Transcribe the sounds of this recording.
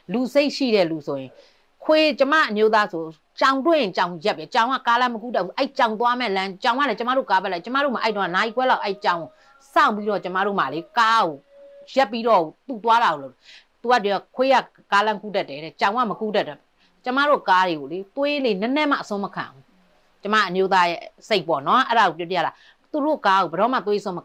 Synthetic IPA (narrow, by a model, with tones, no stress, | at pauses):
lu˨se˦ɪʔʃḭ˦˨ɾɛ̰˦˨lu˨sʰo˨jɪ̃˨ | kʰwe˦t͡ɕə˦ma̰˦˨ʔə˨mjo˨˦t̪̬a˦so˨ | t͡ɕã˨ʊ̃ntwe˦˨jɪ̃˨t͡ɕã˨ʊ̃˨jɛ˦pːjɛ˨t͡ɕã˨ʊ̃ŋa̰˦˨ka˦lã˦məku˦tɛ˦˨pːu˦˨ʔɛ˦i˦˨t͡ɕã˨ʊ̃nt̪̬wa˦mɛ˦˨lã˦t͡ɕã˨ʊ̃ŋa˦˨ɛ˦t͡ɕə˦ma̰˦˨ɾo˦˨ka˦pɛ˦la˨t͡ɕə˦ma̰˦˨ɾo˦˨ma˨ʔtõ˦a˨na˨ʔi˦˨kwɛ˦la˦ʊʔɛ˦i˨t͡ɕã˨ʊ̃o˨ | sã̰˦˨ʊ̃pi˦ɾɔ˦˨t͡ɕə˦ma̰˦˨ɾo̰˦˨ma˨le˦ka˦ɡo˨ | jɛ˦pːi˦ɾɔ˦˨o˨t̪u˨t̪wa˦ɾa˨ɣo˨lo˦˨t̚ɛ˨ | t̪u˨a̰˦˨di˨a˨kʰwe˦ja̰˦˨ | ka˦lã˦ku˦dɛ˦˨tːɛ˨ɾɛ˨t͡ɕã˨ʊ̃ŋɡa̰˦˨mə˨ku˦dɛ˦tːɛ˦˨ | t͡ɕə˦ma̰˦˨ɾo˦˨ka˦ɾe˨ɡo˨le˦t̪we˦le˦nɛ˦nɛ˦ma̰˦˨ʔəsʊ̃˦məkʰã̰˨ʔu˦ | t͡ɕə˦ma̰˦˨ʔə˨mjo˦t̪̬a˦jɛ̰˦se˦ɪʔpɔ̰˦˨nɔ˦ʔɛ˦ɾa˨o˨pjɔ˦ti˦a̰˦˨a˨ | t̪u˨ɾo˦˨ka˦o˨bə˨ɾɔ˦ma̰˦˨t̪̬we˦ʔəsʊ̃˦mə